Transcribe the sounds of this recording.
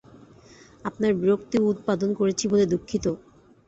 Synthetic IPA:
apnaɾbɾokt̪iut̪̚pad̪onkoɾet͡ɕʰiboled̪ukʰːit̪o

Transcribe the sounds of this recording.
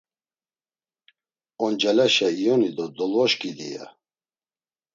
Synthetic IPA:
ɔnd͡ʒɛlɛʃɛijɔnid̪ɔd̪ɔlvɔʃkʼid̪ḭja̰

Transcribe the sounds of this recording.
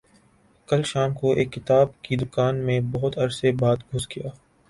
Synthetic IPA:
kɐlʃaːmkoʔeːkːɪt̪aːb̚kid̪ʊkaːnmẽbɔɦʊt̪ɐɾsebaːt̪ɡʱʊsɡijaː

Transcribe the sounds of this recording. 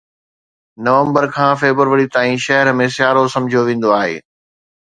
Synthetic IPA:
nɐʋə̃mbəɾkʰãːfeːbəɾʋəɽit̪aːĩʃɐɦəɾmẽsɪjaːɾosɐ̃md͡ʑʱjoʋẽːn̆d̪oaːɦḛː

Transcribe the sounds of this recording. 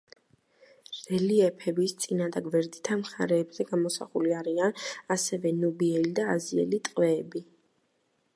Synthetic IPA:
ɾɛliɛpʰɛbist̪sʼinad̪aɡvɛɾd̪it̪ʰamχa̰ɾɛːbzɛɡamɔsa̰χuliaɾianasɛvɛnubiɛlid̪aːziɛ̰lit̪ʼqʼwɛːbi

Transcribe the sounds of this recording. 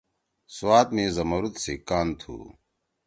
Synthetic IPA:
suwaːt̪mẽːzɐmɐɾut̪seːkaːnt̪ʰṵː

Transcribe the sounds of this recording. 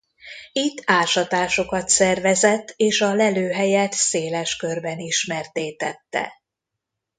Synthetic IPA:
it̪ːaːʃɒt̪aːʃo̞kɒt̪sɛrvɛzɛt̪ːeːʃɒlɛløːɦɛjɛt̪seːlɛʃkø̞rbɛniʃmɛrt̪eːt̪ɛt̪ːɛ̰

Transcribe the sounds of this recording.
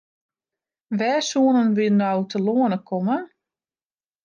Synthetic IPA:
ʋɛːsuənənʋɪnːɔwtʰəloənəkʰɔmə

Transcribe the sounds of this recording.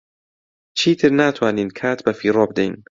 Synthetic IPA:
t͡ʃʰiːt̪ʰɨɾnaːt̪ʰwaːniːnkʰaːt̪bafiːɾɔːb̚d̪ejn

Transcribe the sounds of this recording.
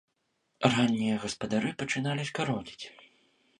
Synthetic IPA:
ranʲːijɐɣɐspɐd̪aɾɨpɐt͡ʂɨnalʲisʲkaɾɔdʲit͡sʲ

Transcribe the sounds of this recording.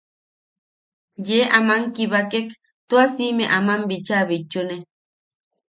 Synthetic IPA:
jeːʔamaŋkiβakek | t̪uasimeʔamambit͡ʃaβit͡ʃːune

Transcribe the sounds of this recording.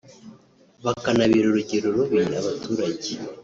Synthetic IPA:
βakanaβiɾuɾuɟiɾuɾuβiɾaβatuːɾaɟi

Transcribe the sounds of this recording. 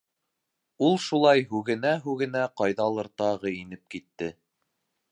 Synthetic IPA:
ulˠʃulˠɑjɦʉɡɘ̆næɦʉɣɘ̆næqɑjðɑlˠɤ̆ɾt̪ɑʁɤinɘp̚kit̪ːɘ

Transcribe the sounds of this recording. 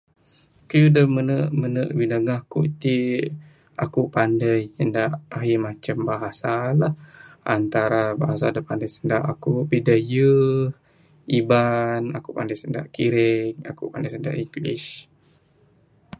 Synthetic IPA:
kəjudəmənəʔmənəʔwinəŋahkuʔt̪i | ʔakupandəjəndaʔaɦimat͡ʃəmbaɦasalahant̪aɾabaɦasadəpandəjsəndaʔakuʔbidajə | ibanakupandəjsənda̰ʔkiɾɪŋa̰kṵpandəjsənda̰ʔiŋɡlḭʃ

